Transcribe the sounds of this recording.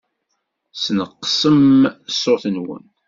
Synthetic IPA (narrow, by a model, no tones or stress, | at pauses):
snəqːsəmsːoθənwə̰n